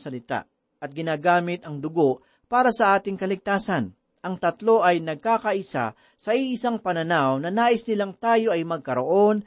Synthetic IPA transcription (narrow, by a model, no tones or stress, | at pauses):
sɐlɪt̪a̰ | ʔɐt̪̚ɡɪnaːɡaːmɪt̪ɐŋd̪ʊɡo̞ʔ | paːɾɐsɐʔaːt̪ɪŋkɐlɪɡ̚t̪aːsɐn | ʔɐŋt̪ɐt̪lo̞ʔɐjnɐɡ̚kaːkɐʔɪsa̰ | sɐʔiʔɪsaŋpɐnɐnawnɐnaːʔɪsnɪlaŋt̪aːjo̞ʔɐjmɐɡ̚kɐɾoʔo̞n